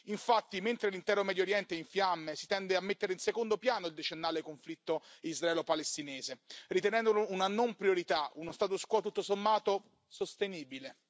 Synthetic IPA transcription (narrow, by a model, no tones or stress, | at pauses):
iɱfat̪ːiment̪ɾelint̪ɛːɾomɛːd̪joɾjɛnt̪eiɱfjamːesit̪ɛnd̪eamːet̪ːeɾeinsekond̪opjaːnoild̪et͡ʃenːaːlekoɱflit̪ːoizraɛːlopalest̪inɛːzerit̪enɛnd̪olounanompɾjoɾit̪aunost̪aːt̪̬uskwɔt̪ut̪ːosomːaːt̪o | sost̪eniːbile